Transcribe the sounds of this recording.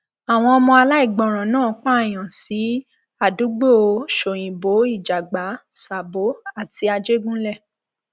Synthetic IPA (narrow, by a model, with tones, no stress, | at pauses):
a˨w̃ɔ̃˧ɔ˧mɔ̃˧a˧la˦i˦˨ɡ͡bɔ̃˨ɾ̃ã˨nãː˦˨˦k͡pa˦˨j̃ã˨si˨˦ | a˦˨du˨˦ɡ͡bo˦o˧˦ʃo˨j̃ĩ˨bo˨˦i˦˨d͡ʒa˨ɡ͡ba˨˦sa˨bo˨˦a˦˨ti˧a˧d͡ʒe˦ɡũ˦lɛ˦˨